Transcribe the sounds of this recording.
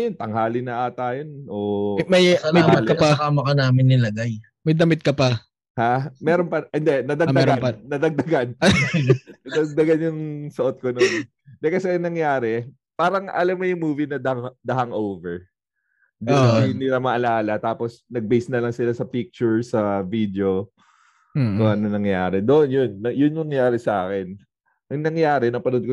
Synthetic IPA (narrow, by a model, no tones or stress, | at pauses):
ɐjont̪ɐŋɦaːlɪnɐʔat̪aːjonʔoːmɐjmɐjbɪlkɐpɐaːmɐkɐnaːmɪnːɪlɐɡaj | mɐjd̪ɐmɪt̪̚kɐpɐ | hamɛːɾonpɐɪnd̪ɛnɐd̪ɐɡd̪ɐanːɐd̪ɐɡ̚d̪ɐɡan | nɐd̪ɐɡ̚d̪ɐɡanjʊŋsɐʔot̪̚konon | nd̪ɛkɐsɛɐnɐŋjaːɾɛ | paːɾɐŋʔɐ̰lamːɐjʊŋmuːvinɐd̪ɐad̪ɐɦaŋʔowvɛɹ | d̪onɪniɾamɐʔɐlaːlɐt̪aːposnɐɡ̚bejsnɐlɐŋsɪlasɐpik̚t͡ʃʊɹsɐvid̪eo̞ | koʔɐnɐŋnɐŋjaːɾɛd̪oʔonjonːɐjʊnmɐŋjaːɾɛsɐʔa̰ːkɛn | ʔɐŋnɐŋjaːɾɛnɐpɐnod̪̚ko